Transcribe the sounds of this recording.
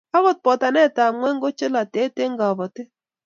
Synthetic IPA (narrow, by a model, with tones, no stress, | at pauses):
a˦βɔ˦˨t̚pɔ˨ta˨nɛ˦˨ta˨mwɛ˦ŋɡo˦t͡ʃɪ˦la˨te˨˦te˦ŋɡa˨bɔ˨tɪ˦